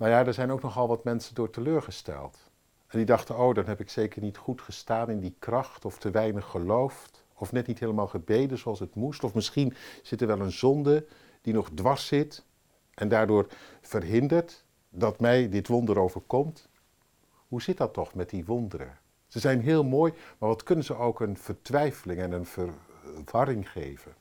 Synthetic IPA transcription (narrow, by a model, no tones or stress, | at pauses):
nawjaːdɛɹzɛjnowknɔχɑlˠʋɑtmɛnsəndʊːɹtəløːɹχəstɛ̰lˠt | ɛndidɑχtənowdɑnɦɛpɪksejkəɹnitχutχəstaːnɪndikrɑχtɔftəʋɛjnəχːəlowft | ɔfnɛtnitɦeːləmaːlˠχəbejdənzoɑlˠsɦətmustɔfmɪsχinz̥ɪtəɹʋɛlˠənzɔndə | d̥inɔχdʋɑɹsɪt | ʔɛndaːɹdʊːɹv̥ərɦɪndəɹt | dɑtmɛjdɪtʋɔndəɾowvəɹkɔmt | ɦuzɪt̚dɑtɔχmɛt̚diʋɔndəɾə̰ | z̥əzɛjnɦɪːlˠmoːjmaːɹʋɑtkɵnənzəowkənv̥əɹtʋɛjfəlɪŋɛnənvəɹʋɑɾɪŋχḛjvən